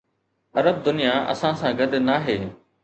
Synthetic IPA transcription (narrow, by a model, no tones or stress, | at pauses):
ɐɾəb̚d̪ʊnijaʔɐ̰sãsãɡɐd̪naːɦeː